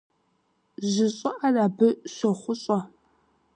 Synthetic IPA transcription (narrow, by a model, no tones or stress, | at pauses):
ʑɪɕʼɐʔaraːbɨɕʷɔχʷʊɕʼɐ